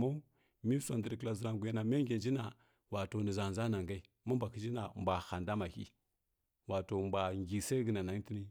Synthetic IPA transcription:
ma˦ | mi˦sʷa˨ndə˨ɾkə˨la˨zə˨ɾa˨ɡʷu˨ja˦na˨me˦ɡʲe˨d͡ʒi˦na˨ | wa˨to˨nə˨za˨n˨za˦na˨ŋɡa˦i˦ | ma˦mbʷa˨ki˦d͡ʒi˦na˨mbʷa˨xa˨nda˦ma˨kḭ˦ | wa˨to˨mbʷa˨ŋɡi˨sa˦ɡə˨na˨na˨ŋ˦ti˦ni˦

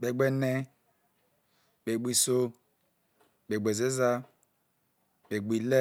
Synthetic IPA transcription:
be˨ɡ͡be˦ne˦ | be˨ɡ͡bʷi˨so˦ | be˨ɡ͡be˨ze˦za˦ | be˨ɡ͡bi˨le˦

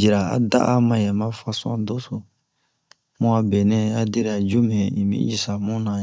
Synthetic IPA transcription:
d͡ʒi˨ɾa˨a̰˨da̰˦ʔa˦mã˨jɛ˨mã˦fa˦sɔ̰̃˦do˦so˨ | mũ˦a˨be˨nɛ̃˦a˦de˦ɾa˨d͡ʒu˦mɛ̃˨i˨mḭ̃˦ji˨sa˨mũ˦nã˨

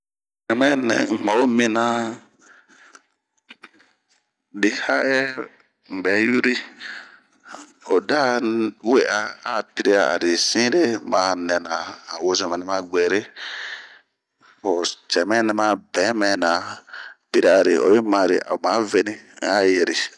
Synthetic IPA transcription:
nɛ˨mɛ̃˦nɛ̰̃˨ŋ̩˨mã˨˦o˦mĩ˦nã˦ | di˨ha˦ʔɛ˦ | m̩˨bɛ˨˦ju˦ɾi˦ | o˨da˦we˦ʔa˧a˨pi˦ɾi˦a˨a̰˨ɾi˨sĩ˦ɾe˦˨mã˨˦nɛ̃˨nã˨a˨wo˦zɔ̃˨mɛ̃˨nɛ˦mã˦ɡ͡bɛ˨ɾe˦ | o˨t͡ʃɛ˨mɛ̃˦nɛ̃˦mã˦bɛ̃˨˦mɛ̃˨nã˨pi˦ɾi˦a˨ɾi˨o̰˨be˦mã˨ɾḭ˨ʔa̰˨mã˨˦ve˦nĩ˦a˦je˨ɾi˨

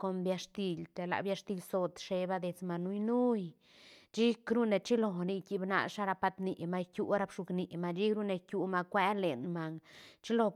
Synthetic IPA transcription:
ko˧mbja˧ʂt̪i˧lt̪e˧˨la̰˨bja˧ʂt̪i˧lso˧t̪ʂe˧ba˧d̪e˧t͡sma˨nu˦jnu˦j | t͡ʃi˦kɾu˦ne˧t͡ʃi˦lo˧ni˧ki˧bna̰˧ʂa˧ɾa˧pa˧t̪ni˧˨ma˧jkʲju˧ɾa˧bʂu˧kni˨ma˧d͡ʒi˦kɾu˦ne˧kju˧ma˧kʷe˦le˨nma˧ŋt͡ʃi˦lo˧

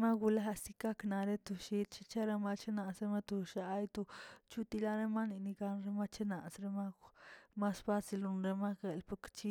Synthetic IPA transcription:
ma˦ɡu˧la˦si˧ka˦kna˧ɾe˦t̪u˧ʃi˧t̪t͡ʃi˧t͡ʃe˦ɾa˧ma˧t͡ʃe˦na˧sɾe˧ma˦t̪u˧ʃa˧˦jt̪u˧t͡ʃu˦t̪i˧la˦ɾe˦ma˦ni˧ni˧ɡa˧nɾe˦ma˦t͡ʃe˦na˨sɾe˧ma˦ma˦sfa˦si˧lu˧nɾe˧ma˦ke˨lpu˧kt͡ʃi˦

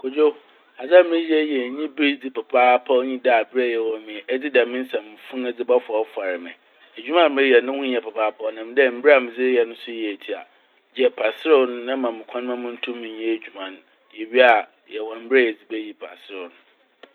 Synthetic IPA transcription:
kʰo˨d͡ʑo˦ | a˨d͡za˦˨mɪ̃˦jɛ˦jɛ˨ɲĩ˦bi˦d͡zi˦pa˨pʰaː˦pʰa˦ɲĩ˦da˨bɪ˦ɾɛ˦˨jɛ˨wɔ˨˦mɪ̃˨ɛ˦d͡zɪ˦dɛ˨mɪ̃˦n̩˦sã˨m˨mɪ̃˨fʊ̃˦nɛ˨d͡zɪ˦ba˦fʊ˨ɔ˨˦fa˨ɾɪ˨mɪ̃˨ | æ˨d͡ʑᶣu˦mã˦˨m˦ɪ̃˦jɛ˨nʊ̃˦hʊ̃˦ɛ˨pʰa˨pʰaː˦pʰa˦nã˨m˦dɛ˦m̩˦bɾa˨mɪ̃˨d͡zɪ˦jɛ˨nʊ̃˦sʊ˦jɛ˨e˨tʰi˦a̰˨ | d͡ʑɛ˨pʰa˨sɪ˦ɾɛ˦nʊ̃˦nã˦mã˨mɪ̃˨kʰã˦ñ˦mã˦mʊ̃˦n̩˦tʰũ˦mːɪ̃˨ɲ˦ɛ̃˦e˨d͡ʑᶣu˨mã˨ñ˦ | jɛ˨ɥi˦a˨ | jɛ˨wɔ˨m̩˦bɪ˦ɾɛ˦jɛ˨d͡zi˨be˦ji˦pʰa̰˨sɪ˦ɾɛ˨nʊ̃˨

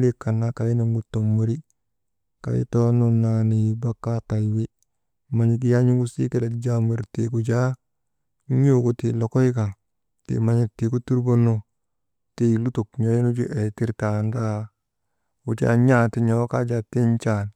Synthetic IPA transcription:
li˦ka˨nːa˦ka˨ji˦nu˨ŋɡu˨tːo˨mːo˨ɾi˦ | ka̰˨jḭ˦to˦nu˨na˨ni˨ba˦kːa˦ta˨jwe˦ | ma˨ɲi˨k̬i˦ja˦ɲu˦ɡu˦si˦ke˦da˨d͡ʒa˦me˨ɾte˨ku˨d͡ʒa˦ | ɲo˦ko˨ti˨lo˨ko˦i˦ka˨ | tḛ˨ma˨ɲi˨te˨ku˦tu˦ɾbo˦no˦ | te˨lu˦to˨kɲo˦ji˦nu˦d͡ʒṵ˦ʔe˨ti˦ɾta˨nda˦ | u˨t͡ʃa̰˦ɲa˦ti˦ɲo˨wka˦d͡ʒa˨ti˦nt͡ʃa˦˨n

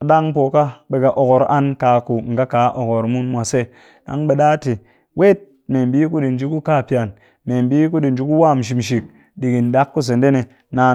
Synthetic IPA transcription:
a˨ɗa˦ŋpo˨ka˦ɓe˨ka˨ʔo˨ko˨ɾa˦nka˨ku˨ŋ̩˨ɡa˦ka˨˦ʔo˨ko˨ɾmu˦nmʷa˨se˦ | ɗa̰˦ŋɓe˨ɗa˦ti˨ | wʔe˦t̚ | me˨mbi˦ku˦ɗi˨n˦d͡ʒi˦ku˦ka˦˨pi˦˨a˨n | me˨mbi˦ku˦ɗi˨n˨d͡ʒi˦ku˦wa˦˨m˨ʃ̬i˨mʃ̬i˨k̚ | ɗi˨ɡi˨n˨da˦kːu˦s̬e˨n˦de˦ne˨ | na˨

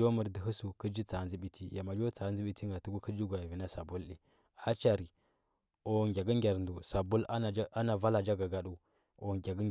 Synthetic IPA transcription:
o˦mu˨ɾdi˨ɦu˦su˨kə˦d͡ʒi˦t͡sa˨nzi˦ɓi˦tʰi˦ja˨ma˨d͡ʒo˦t͡sa˨˦n˦zi˦ɓi˦ti˦ŋɡa˨tu˦ɡu˦kə˦d͡ʒi˦ɡʷa˨vi˨na˦sa˨bu˦lɗi˨ | a˦t͡ʃa˨ɾi˨ | o˨ŋɡʲa˨ɡə˦ŋ˦ɡʲa˨ɾndu˨sa˨bu˦la˦na˨va˦la˨d͡ʒa˦ɡa˨ɡa˨ɗu˦ | o˨ɡʲa˨ɡ

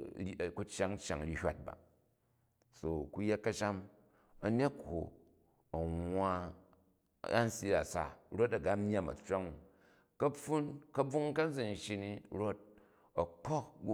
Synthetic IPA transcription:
ku˦t͡ʃa˦ŋ˦t͡ʃa̰˨ŋ˨ɾʲi˦hʲʷa˦t̚ba̰˨ | so˨ku˦je˦t̚kɐ˦ʃa˦m | ɐ˨ne˦tho̰˨ | ɐ˨ŋʷːwa˦˨ | a˦n̩˦si˦a˨sa̰˨ɾo˦tɐ˨ɡa˦m˦ɲ˦a˦˨mɐ̰˨t͡ʃa˦ŋu˨ | kɐ˦ɸu˦nkɐ˦b͡vu˦ŋ˦kɐ˦n˦d͡zɨ˨n˨ʃi˦ni˦ɾo˦t̚ | ɐ˨k͡po˦k̚ɡu˦

